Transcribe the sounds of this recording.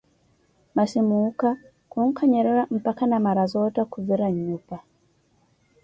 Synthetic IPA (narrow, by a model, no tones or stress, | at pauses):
maʃimuka | kuŋ̩kʰaɲɛɾɛɾam̩pakanamaɾazɔtakuviɾaɲupa